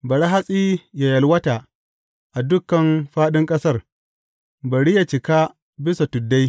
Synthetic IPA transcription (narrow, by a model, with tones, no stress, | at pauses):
bɐ˨ɽa˦ɦa˦sʼi˦ja˨jɐ˨lwɐ˦ta˨ | ʔa˨dʊ˦kːɐ˨mɸaː˦ɗɪ˦ŋkʼɐ˦sɐ˦r | bɐ˨ɽɪ˦ja˨t͡ʃɪ˨ka˦ | bɪ˦sa˨tʊ˨dːa˦j